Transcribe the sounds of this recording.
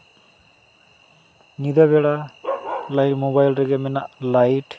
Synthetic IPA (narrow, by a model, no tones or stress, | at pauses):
nid̪abɛɽa | lajʈmobajlɾɛɡɛmɛnaʔlajʈ